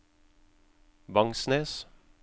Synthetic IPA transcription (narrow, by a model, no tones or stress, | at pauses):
bɑŋsneːs